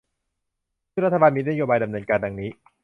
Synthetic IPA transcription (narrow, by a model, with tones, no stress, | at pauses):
ɾa˦t̪ʰːabaː˧nmiː˧na˦˥joː˧baː˧jda˧mnɤː˧nkaː˧nda˧ŋniː˦˥